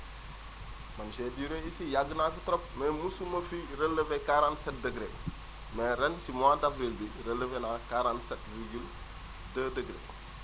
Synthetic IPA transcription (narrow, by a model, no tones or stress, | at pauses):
mɐnsediɾeisijaɡənafitɾɔp̚mɛmusumɐfiɾəlːəvekaɾansɐt̚dəɡɾe | mɛɾɛnsimadafɾilbiɾələvenakaɾansɛt̚ɾiɡil | dədəɡɾḛ